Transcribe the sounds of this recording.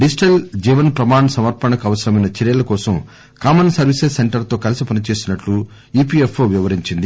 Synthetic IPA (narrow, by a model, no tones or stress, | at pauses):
ɖid͡ʒiʈɐld͡ʒiːʋɐnpɾɐmaːɳsɐmɐɾpɐɳɐkɐʋɐsɐɾɐmɐjnɐt͡ʃɛɾjɐlɐkɔːsɐm | kaːmɐnsɐɾʋisessːe̞ɳʈɐɾt̪o̞ːkɐlɐsipɐnit͡ʃe̞ːsinɐʈlu | iːpiːefʰloːʋiʋɐɾiɲt͡ʃind̪i